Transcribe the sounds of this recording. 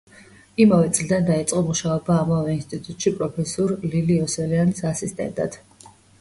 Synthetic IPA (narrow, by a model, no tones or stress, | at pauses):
imavɛt̪sʼlid̪and̪ait̪sʼqʼɔmuʃaɔbaːmavɛinst̪ʼit̪ʼut̪ʼʃipʼɾɔpʰɛsuɾliliɔsɛliansasist̪ʼɛ̰nt̪ʼa̰d̪̥